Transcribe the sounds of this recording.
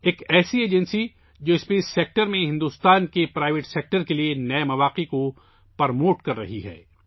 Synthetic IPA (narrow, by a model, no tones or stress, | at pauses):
eːkɛːsieːd͡ʒənsi | d͡ʒoːɪspeːsːeːk̚ʈəɾmẽɦɪ̃nd̪uːst̪aːnkepɾaːɪʋeʈseːk̚ʈəɾkelienɐemɐʋaːqeko | pɐɾmoːʈkɐɾːɐ̰ɦiɦɛ̰ː